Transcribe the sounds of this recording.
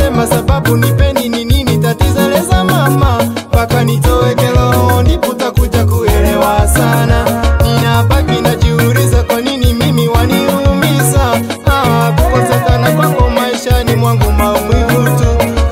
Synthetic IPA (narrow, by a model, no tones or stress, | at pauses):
ɛmasaɓaɓunipɛndinininitatizɛlɛzamama | pakanitɔwɛkɛlɔhɔndikutakud͡ʒakuɛlɛwasananinapakinad͡ʒiuɾizakwaninimimiwaniumiza | awakukɔtɛkanakwaŋɡɔmaiʃanimwaŋɡumamwihutu